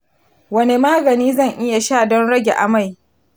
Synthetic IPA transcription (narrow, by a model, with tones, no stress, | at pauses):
wɐ˦ne˨maː˦ɡɐ˨niː˦zɐ˦˨ŋʔɪ˦ja˨ʃaː˦˨dɔ˦nɽɐ˦ɡʲe˨ʔa̰˨ma˦˨j